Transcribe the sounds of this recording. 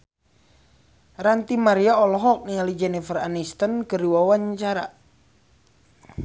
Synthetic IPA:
ɾant̪imaɾiaɔlɔɦɔk̚nialid͡ʒɛnifəranist̪ənkəriwawaɲt͡ʃaɾa̰

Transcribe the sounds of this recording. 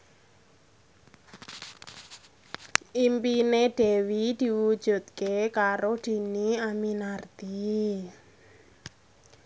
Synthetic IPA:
ʔimpineɖ̥e̤wid̪̥i̤wud̥ʒ̥ṳt̪̚kekaɾoɖ̪̥i̤niaminart̪i

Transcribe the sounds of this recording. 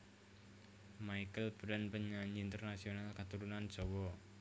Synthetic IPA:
maikəlb̥ɾanpəɲaɲiːnt̪ərnasionalkat̪uɾunan̥ʒ̥ɔwɔ

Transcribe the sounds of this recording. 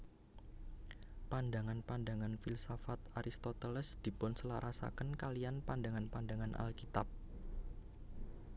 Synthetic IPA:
pandaŋanpandaŋanfilsafat̪aɾʔist̪ot̪ɛlɛsd̪̥i̤pʊnsəlaɾʔasa̰kənkalianpandaŋanpandaŋanʔa̰lkit̪ap̚

